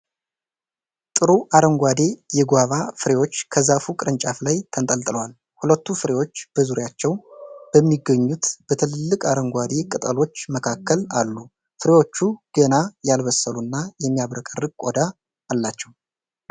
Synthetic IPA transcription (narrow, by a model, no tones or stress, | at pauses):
t̪ʼɨɾuʔaɾəŋɡʷad̪e̞jɛɡʷaβafɨɾe̞wo̞t͡ʃːkʰəzafukʼɨɾɨnt͡ʃʼaflajt̪ʰənt̪ʼəlt̪ʼɨləwal | hulət̪ːufɨɾe̞wo̞t͡ʃːb̥əzuɾjat͡ʃːɛwb̥əmːiɡəɲːut̪b̥ət̪ʰɨlɨlːɨkʼaɾəŋɡʷad̪e̞kʼɨt̪ʼəlo̞t͡ʃːməkʰakːəla̰lːu | fɨɾe̞wo̞t͡ʃːuɡ̥ənajalβəsːəlunːajɛmːijaβɾəkʼərːɨɡ̚kʷʼod̪aː | lːat͡ʃːɛw